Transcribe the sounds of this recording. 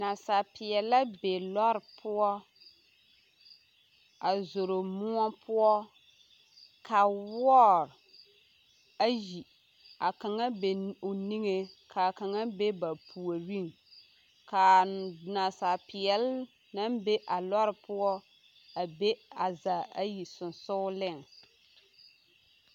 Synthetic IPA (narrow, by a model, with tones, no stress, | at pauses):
na˨sa˨pɪ˨ɛ˨la˦be˨lɔ˦ɾpʰʊ˦ɔ˦ | a˨zo˨ɾo˨mʊ˦ɔ˦pʰʊ˦ɔ˦ | ka˨wɔ˦ɾ | a˦ji˨ | a˨ka˨ŋa˦be˨o˨ni˦ŋe˦kʰa˨ka˨ŋa˦be˦ba˨pʰu˨o˨wi˦˨ŋ | ka˨na˨sa˨pɪ˨ɛ˨l | na˦mbe˦ʔa˨lɔ˦ɾɪ˨pʊ˦ɔ˦ | a˨be˦a˨za˨a˦ji˨sʊ˨n˨sʊ˦lɪ˦˨ŋ